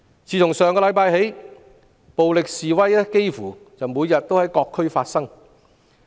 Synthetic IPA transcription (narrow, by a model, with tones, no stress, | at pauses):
t͡sʰiː˨˩t͡ʃʰʊ˨˩ŋsœː˨ŋkɔː˧lɐ˨˥jpaː˧jhe˨˥j | po˨wlɪ˨k̚siː˨wɐ˥jɛ˥ke˥jfuː˨˩t͡sɐ˨wmuː˨˧jɐ˨t̚t̪ːo˥whɐ˨˥jkɔː˧kʰːɵ˥ɥfaː˧tsɐ˥ŋ